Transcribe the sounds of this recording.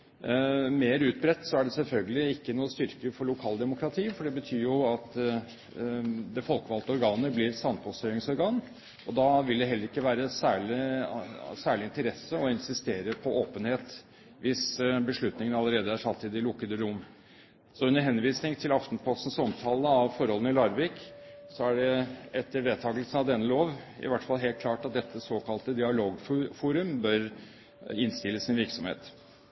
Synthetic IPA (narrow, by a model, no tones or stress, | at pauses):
meːɾʉːt̪̚bɾɛt̪ːsɔæɖɛsɛlfœlɡəlɪɪkːənuːəst̪ʏɾkəfɔɭʊkʰɑːld̪ɛmʊkʰɾɑt̪ʰiːfɔɖɛbət̪ʰyːɾjʊɑt̪ | d̪ɛfɔlkəʋɑlt̪əɔɾɡɑːnəblɪɾsɑnpʰɔst̪œɪŋsɔɾɡɑːn | ʔɔd̪ɑʋɪld̪ɛɦɛlːəɾɪkːəʋæːɾəsæːɭɪ | sæːɭɪɪnt̪əɾɛsːəɔɪnsɪst̪eːɾəpʰɔʔoːpənheːt̪ | ʋɪsbəʂɭʉt̪nɪŋənɑləɾeːd̪əæʂɑlt̪ʰɪːd̪ɪlʊkːəd̪əɾʊmː | sɔʉnəɾɦɛnʋiːsnɪŋt̪ʰɪlɑft̪npʰɔst̪n̩sɔmt̪ʰɑːləɑʋfɔɾhɔlənɪlɑɾʋɪksɔæɖɛɛt̪ːəɾʋeːd̪t̪ʰɑːɡəlsən̩ɑʋd̪ɛnːəloːʋɪ̰ʋæʈfɑlɦeːl̚kʰlɑːʈɑt̪̚d̪ɛt̪ʰːəsoːkʰɑlt̪əd̪ɪɑloːɡffuːɾʉmbœɾ | ɪnst̪ɪlːəsɪnʋɪɾksɔmhḛːt̪